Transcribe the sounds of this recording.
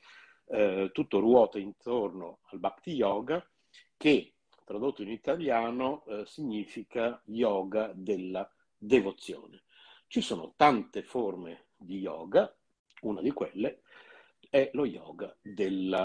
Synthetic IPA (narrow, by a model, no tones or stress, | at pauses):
t̪ːut̪ːorwɔːt̪aint̪ornoalbakd̪ijɔːɡa | k̟e | t̪ɾad̪ot̪ːoinit̪aljaːnosiɲːiːfikajɔːɡad̪elːa | d̪evot̪sːjo̰ːne | t͡ʃisoːno̰t̪ant̪eforme | d̪ijɔ̰ːɡa | unad̪ikwelːe | ɛlojɔːɡad̪el